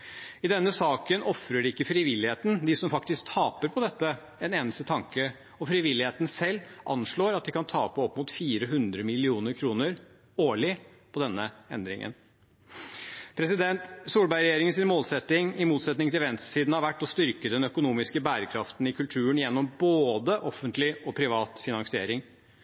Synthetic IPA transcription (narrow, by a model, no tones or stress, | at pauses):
ɪd̪ɛnːəsɑːkənɔfɾəɖɪkːəfɾɪʋɪlːɪheːt̪n̩d̪ɪsɔmfɑkt̪ɪsk̚t̪ʰɑːpəɾpʰɔd̪ɛt̪ːə | ɛneːnəst̪ət̪ʰɑŋkə | ɔfɾɪʋɪlɪheːt̪n̩sɛlːʔɑ̰nʂɭoːɾɑt̪̚d̪ɪkɑnt̪ʰɑːpəɔpːmuːt̪fiːɾəɦʉnd̪ɾəmɪlɪuːnəɾkʰɾuːnəɾ | oːɭɪ | pʰɔd̪ɛnːəɛ̰nd̪ɾɪ̰ŋə̰n | pʰɾɛsɪd̪ɛnt̪suːlbæɪɾɛjeːɾɪŋənsɪnmoːlsɛt̪ːɪŋɪmuːt̪sɛt̪nɪŋt̪ɪlʋɛnst̪siːd̪n̩ɑʋæʈːɔst̪ʏɾkəd̪ɛnœkʊnuːmɪskəbæːɾəkʰɾɑft̪nɪkʰʉlt̪ʰʉːənjɛnːɔmboːd̪əʔɔfənt̪lɪɔpʰɾɪʋɑːt̪fɪnɑŋsɪeːɾɪŋ